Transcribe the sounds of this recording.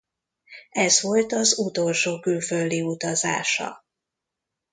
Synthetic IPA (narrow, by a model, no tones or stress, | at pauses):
ɛzʋo̞lt̪ɒzut̪o̞lʃoːkylføld̪iut̪ɒza̰ːʃɒ̰